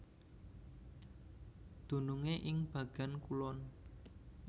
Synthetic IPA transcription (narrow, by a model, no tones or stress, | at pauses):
d̪̥ṳnuŋeʔɪŋb̥ä̤ɡ̥a̤nkulɔn